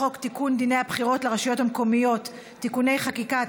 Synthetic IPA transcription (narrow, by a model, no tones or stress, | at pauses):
o̞kt̪ikund̪inejhabχiʁo̞tlaʁaʃijo̞thamko̞mijo̞tː | ikune̞jχakika